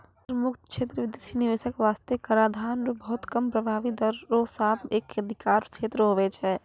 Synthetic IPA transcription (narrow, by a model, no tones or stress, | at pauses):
pɾəmukt̪kt͡ʃʰet̪ɾəʋid̪isiniʋesəkʋast̪ekəɾad̪ʱanɾobəɦut̪kəmpɾəbʱaʋid̪əɾːosat̪ʰekəd̪ʱikaɾt͡ʃʰet̪ɾəɦoβɛt͡ʃʰɛ